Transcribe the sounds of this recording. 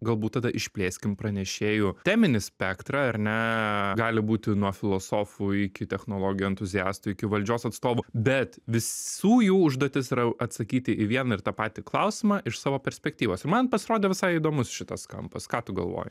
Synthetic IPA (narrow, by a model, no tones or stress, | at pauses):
ɡɐlˠbuːt̪t̪ːɑd̪ɐʔɪʃʲpʲlʲeːsʲkʲɪmpɾɐnʲɛʃʲeːjʊt̪ʲæːmʲɪnʲɪsʲpʲɛkt̪ɾɑɐɾʲnʲɛɡɑːlʲɪbuːt̪ʲɪnuɔfʲɪlˠoːsoːfʊɪkʲɪt̪ʲɛxnoːlˠoːɡʲɪjɛɛnt̪ʊzʲɪjɑːst̪ʊɪkʲɪʋɐlʲd͡ʒʲoːsɐt̪st̪oːʋʊbʲɛt̪ʋʲɪsuːjuːʊʒd̪oːt̪ʲɪsɪɾɐɐt̪sɐkʲiːt̪ʲɪʔɪʋʲiɛnɐɪrt̪ɑːpɑːt̪ʲɪklˠɐʊsʲɪmɑʔɪʃsɑːʋoːpʲɛɾʲsʲpʲɛkt̪ʲiːʋoːsɪɾmɐnpɐsʲɪɾoːd̪ʲɛːʋʲɪsɐɪid̪oːmʊsʃʲɪt̪ɐsskɐ̰mpɐskɑːt̪ʊɡɐ̰lˠʋo̰ːjɪ